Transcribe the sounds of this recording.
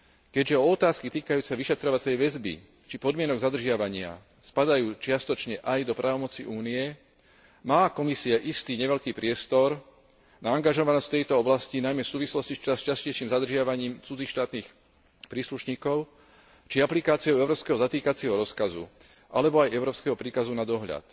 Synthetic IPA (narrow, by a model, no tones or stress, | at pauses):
kɛɟʒɛɔɔt̪aːskit̪iːkajuːt͡saʋiʃɛt̪ɾɔʋat͡sɛjʋɛzbḭ | t͡ʃipɔd̪mɪɛnɔɡzad̪r̩ʒɪaʋaɲɪa̰ | spad̪ajuːt͡ʃɪast̪ɔt͡ʃɲɛʔajd̪ɔpɾʔaːʋɔmɔt͡siʔuːniɛ | maːkɔmisiaʔist̪iːɲɛʋɛʎkiːpɾɪɛst̪ɔɾ | naaŋɡaʒɔʋanɔsft̪ɛjt̪ɔɔblascinajmɛsuːʋislɔscist͡ʃast͡ʃascɛjʃiːmzad̪r̩ʒɪaʋaɲiːmt͡sud͡ziːxʃt̪aːt̪niːx | pɾiːsluʃɲiːkɔʊ | t͡ʃiaplikaːt͡siɪɔʊɛʊɾɔːpskɛɦɔzat̪iːkat͡siɪɛɦɔɾɔskazṵ | ʔalɛbɔajɛʊɾɔːpskɛɦɔpɾiːkazunad̪ɔɦʎa̰t̪